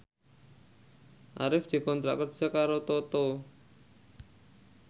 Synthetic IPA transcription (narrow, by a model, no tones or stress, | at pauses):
ʔa̰ɾɪfd̪̥i̤kɔnt̪ɾa̰ʔkərd͡ʒ̥akaɾot̪ot̪o